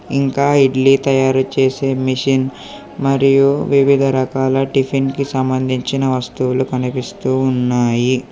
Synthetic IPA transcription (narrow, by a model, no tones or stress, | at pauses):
iŋkaːiɖlit̪ɐjaːɾut͡ʃeːseːmiʂin | mɐɾijuʋiʋid̪ʱɐɾɐkaːlɐʈipʰinkisɐmbɐnd̪ʱiɲt͡ʃinɐʋɐst̪uwulukɐnipist̪uːnːaːji